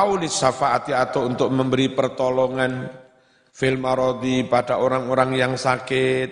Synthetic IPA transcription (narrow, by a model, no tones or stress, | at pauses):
aulɪsafaʔat̪iat̪ɔunt̪ʊk̚məmbəɾipərt̪ɔlɔŋan | fɪlmaɾɔd̪ipadaʔoɾaŋoɾaŋjaŋsakɪt̪̚